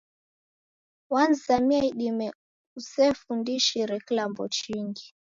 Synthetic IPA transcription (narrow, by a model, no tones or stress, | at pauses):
wanzamiaiɗimɛ | usɛfundiʃiɾɛkilambɔ̰t͡ʃiŋɡi